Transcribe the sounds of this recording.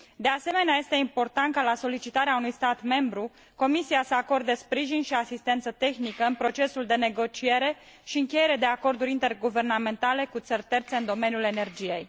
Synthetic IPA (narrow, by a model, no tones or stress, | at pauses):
d̪e̞ase̞me̞neaje̞st̪e̞impo̞rt̪ant̪̚kalaso̞lit͡ʃit̪aɾeaunujst̪at̪me̞mbɾu | ko̞misiasəako̞rd̪əspɾiʒinʃiasist̪e̞nt̪sət̪e̞xnikəɨnpɾo̞t͡ʃe̞suld̪e̞ne̞ɡo̞t͡ʃie̞ɾe̞ | ʃiɨŋkʲejeɾed̪e̞ako̞rd̪uɾʲint̪e̞rɡuve̞rname̞nt̪ale̞kut̪sərʲt̪e̞rt̪se̞ɨnd̪o̞me̞nʲjule̞ne̞rd͡ʒije̞j